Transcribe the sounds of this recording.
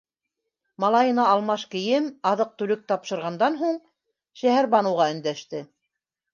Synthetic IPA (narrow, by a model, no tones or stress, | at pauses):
mɑlˠɑjɤ̆nɑɑlˠmɑʃkɘ̆jɘmɑðɤq̚t̪ʉlɘk̚t̪ɑpʃɤ̆ɾʁɑnd̪ɑnɦuɴ | ʃæɦæɾbɑnɤ̆wʁɑɵ̆nd̪æʃt̪ɘ